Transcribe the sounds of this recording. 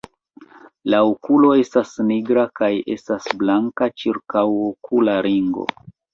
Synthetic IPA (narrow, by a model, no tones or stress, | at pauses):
laokulo̞e̞stasniɡɾakaje̞̰stasblaŋkat͡ʃiɾkawokʰulaɾiŋɡo̞̰